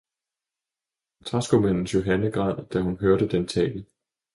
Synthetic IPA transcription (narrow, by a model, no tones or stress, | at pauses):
t͡sʰʁɑ̈sɡ̥omæn̰n̩sjo̝ɦænəɡ̥ʁɑ̈ð̰ˠd̥æhunɦøɐɾ̥əd̥ent͡sʰɛ̰ːl